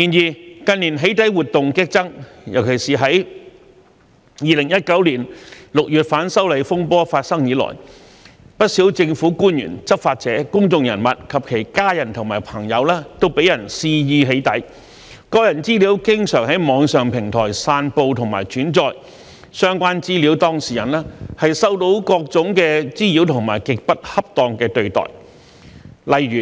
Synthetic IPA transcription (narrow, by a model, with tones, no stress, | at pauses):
iː˨˧njiː˨˧kɐ˧niː˨˩nɦe˨˥jt̪ɐ˨˥jwuː˨t̚t̪ʊ˨ŋkɪ˥k̚t͡sɐ˥ŋjɐ˨˩wkʰe˨˩jsiː˨ɦɐ˨˥j | jiː˨lɪ˨˩ŋjɐ˥t̚kɐ˨˥wliː˨˩nlʊ˨k̚jyː˨t̚faː˨˥nsɐ˥wle˨˧jfʊ˥ŋpɔː˥faː˧t̚sɐ˥ŋjiː˨˧lɔ̰ː˨˩j | pɐ˥t̚siː˨˥wt͡sɪ˧ŋfuː˨˥kuː˥njy̰ː˨˩nt͡sɐ˥p̚faː˧t̚t͡sɛː˨˥kʊ˥ŋt͡sʊ˧ŋjɐ˨˩nmɐ˨t̚kʰɐ˨p̚kʰe˨˩jkaː˥jɐ˨˩nt̪ʰʊ˨˩ŋmaː˨˩jpʰɐ˨˩ŋjɐ˨˧wlɛː˥t̪o˥wpe˨˥jɐ˨˩nsiː˧jiː˧ɦe˨˥jt̪ɐ˨˥j | kɔː˧jɐ˨˩nt͡siː˥li˨˥wkɪ˥ŋsœː˨˩ŋɦɐ˨˥jmɔː˨˧ŋsœː˨ŋpʰɪ˨˩ŋt̪ʰɔː˨˩jsaː˧npo˧wt̪ʰʊ˨˩ŋmaː˨˩jt͡ʃyː˨˥nt͡sɔː˧j | sœː˥ŋkʷwaː˥nt͡siː˥liː˨˥wt̪ɔː˥ŋsiː˨˩jɐ˨˩nlɛː˥hɐ˨jsɐ˥wt̪o˨˥wkɔː˧k̚t͡sʊ˨˥ŋkɛː˧t͡siː˥liː˨˥wt̪ʰʊ˨˩ŋma̰ː˨˩jkɪ˨k̚pɐ˥t̚hɐ˥p̚t̪ɔː˧ŋkɛː˧t̪ɵ˨˧ɥt̪ɔ̰ː˨˩j | lɐ˨jɥyː˨˩